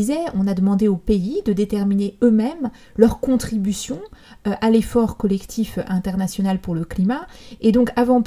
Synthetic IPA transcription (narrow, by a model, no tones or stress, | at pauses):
zɛɔ̃nad̪əmɑ̃d̪eopeid̪əd̪et̪ɛʁmineømɛm | lœʁkɔ̃t̪χibysjɔ̃ʔalefɔʁkɔlɛkt̪ʰifɛ̃t̪ɛʁnasjɔnalpuʁləklimaed̪ɔ̃kavɑ̃p